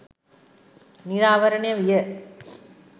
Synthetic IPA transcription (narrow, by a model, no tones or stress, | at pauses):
nɪɾaːʋɐɾɐɳɐjɐʋɪjɐ